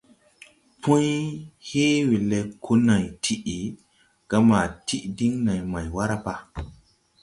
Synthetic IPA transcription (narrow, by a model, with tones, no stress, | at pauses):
pʰũ˦jhe˦we˨le˨kʰo˦na˨jtʰi˨ʔi˨ | ɡ̥a˦ma˨ti˦ʔdi˦ŋna˨jma˨jwa˦ɾa˦pa˦